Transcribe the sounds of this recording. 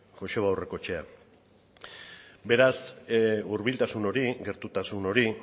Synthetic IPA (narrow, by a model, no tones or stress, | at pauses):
ʝo̞se̞βawre̞ko̞t͡ʃe̞a | be̞ɾasuɾβilt̪asuno̞ɾiɣe̞ɾt̪ut̪asuno̞ɾi